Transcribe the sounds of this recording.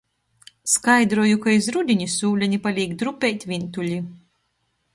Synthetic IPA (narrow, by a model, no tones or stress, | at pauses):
skajd̪ɾuɔjukaizɾud̪ʲiɲisuːlʲɛɲʲipalʲiːɡd̪ɾupʲejt̪ʲvʲint̪ulʲi